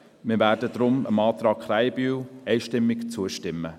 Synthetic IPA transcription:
mɪːɾvæːɾdədɾʊmə̰mɑːt̪ɾɑːkχɾæɪbyːɛɪʃtɪmːɪkt͡suəʃtɪmːə

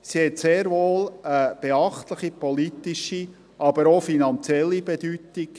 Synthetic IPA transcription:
sihɛt̪seːɾʋoːləb̥eɑχtləχipɔlit̪iʃi | ʔɑb̥əɾofinɑnt͡sjɛlːibɛd̥ytik

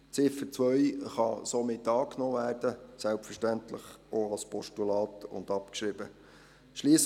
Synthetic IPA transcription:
t͡sɪfət͡sʋœʏχɑsomɪtːɑːknoːʋæːrd̥əsælpfərʃtæntlə̰χoɑlspɔʃtulɑːtʊ̰ndɑpkʃɾɪbə | ʃliːəs

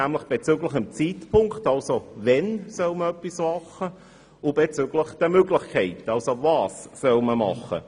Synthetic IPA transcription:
æmləχb̥et͡syɡləχɪmt͡siːtpʰʊŋktɑlsovɛnsœlməœpːismɑχə | ʊb̥et͡søɡləχd̥əmøɡlɪχkʰɛɪtɑlsovɑːssœlməmɑ̰χːə̰

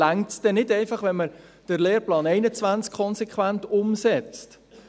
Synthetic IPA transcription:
æŋtsd̥ɛnɪdɛɪfɑχʋɛnmə | d̥əɾleːɾplɑːnɛɪnət͡sʋænt͡skʰːɔnsɛkʰχʋæntʊmsɛt͡st

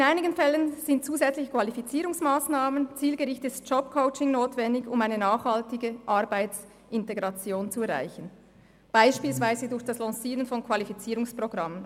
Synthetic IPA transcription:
ɪnaɪnɪɡənfɛlːənz̥ɪnt̚t͡suːzɛt͡slɪçə̥kv̥alifit͡siːɾʊŋsmaːsnaːmənt͡siːlɡəʁɪçtɪstd͡ʒɔp̚kʰoʊt͡ʃɪŋnoːtvɛndɪçʊmaɪnənaːχhaltɪɡəʔaɐbaɪs | ʔɪnteɡʁɑt͡sjoːnt͡suɛɐʁa̰ɪçən̩ | b̥aɪʃpiːlsv̥aɪzədʊɐçd̥aslɑ̃ːsiːʁənfɔnkʰv̥alifit͡siːʁʊŋspʁ̥oɡʁamən

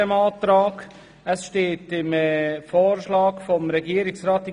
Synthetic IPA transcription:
əmɑːtɾɑːɡ | əsʃteːtɪmɛfɔːɾʃlɑːɡfomɾɛɡiəɾɪksɾaːtɪ

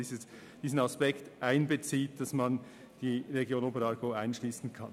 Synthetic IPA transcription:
ə | d̥iːzn̩ɑspɛktʔaɪnbət͡siːt̚d̥ɑsmɑn | d̥iːʁeɡjoːnobəɾɑɾɡoaɪnʃliːsn̩kʰɑn

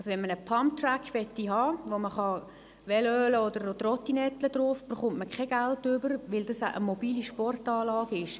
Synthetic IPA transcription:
ɑlsoʋɛnmənəpʰɑmt̪rækːʋɛtːiɦɑːʋoməχɑ | ʋɛløːləɔdəɾodərɔt̪inɛt̪ləd̥roːfb̥ərχʊmtməkχɛɡ̥altʏbəɾʋɪldɑsaʔəmɔbiːliʃpɔrtɑːlɑːɡɪʃ

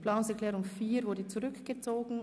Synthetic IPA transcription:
plaʊŋsɛɐklɛːʁʊŋfiːɾvʊdət͡suʁʏkɡ̥ət͡soːɡn̩

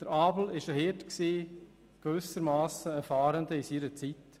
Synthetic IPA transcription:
d̪̥əɾɑːbl̩ɪʃəhɪtksiː | ɡ̥ʋʏsəɾmaːsəəfɑːɾəndəisiɾət͡sit

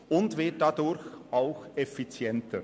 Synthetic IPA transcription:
ʊntvɪɐt̚d̥adʊɾçʔaʊxefit͡sjɛntʰə

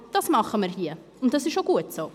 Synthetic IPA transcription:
d̥ɑsmɑχəməɾɦiːə | ʊnt̚dɑsɪʃoɡuːətsoː

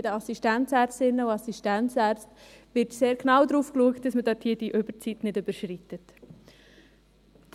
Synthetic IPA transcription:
ɪdəɑsiʃtæntt͡sæːɾt͡stɪnːəuɑsiʃtænt͡sæːɾt͡stʋɪɾtseːɾɡnawd̪ɾuːfkluəkt̚d̥ɑsmədɑːthiːd̥iʔøb̥əɾt͡sitnɪdyb̥əɾʃritət

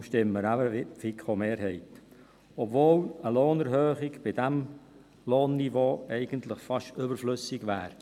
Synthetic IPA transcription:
ʃtɪmːəɾæbəfikχomeːɾɦɛɪt | obvoːləloːnɛɾhøːχɪɡb̥ɪdæm | loːnːivoːɛɪɡ̥əntləχfɑʃʏbəɾflʏsɪɡʋæːɾ

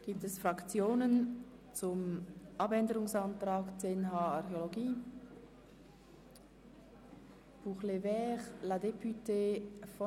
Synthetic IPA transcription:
ɡ̥iːp̚tɛsfrɑkt͡sjoːnən | t͡sʊmʔɑbɛndəʁʊŋsɑntʁaːkt͡senɦaːɑʁxeoloɡiː | b̥uːχlevɛːʁladepyteːfɔ

